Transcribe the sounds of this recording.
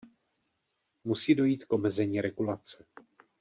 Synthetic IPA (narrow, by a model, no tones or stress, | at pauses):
musiːdo̞jiːt̪kʔo̞mɛzɛɲiːɾɛɡulat͡sɛ̥